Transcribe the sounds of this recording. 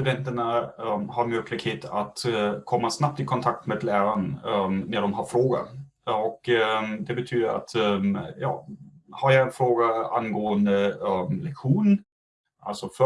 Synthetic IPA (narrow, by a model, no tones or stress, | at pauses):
ɵd̪ɛnt̪əɳahaɾmœkʰlɪkheːt̪ʰat̪kʰɔmːasnap̚t̪ɪkʰɔnt̪ʰak̚t̪meːd̪læːɾannɛd̪ɔmɦaɾfɾoːɡa̰ | ɔkːd̪ɛbɛt̪ʰyːd̪əɾa̰t̪jɑ̰ːhaɾjɑɡɛnfɾoːɡaa̰nɡoːənd̪əlɛkɧuːn | ʔa̰lsɔfœ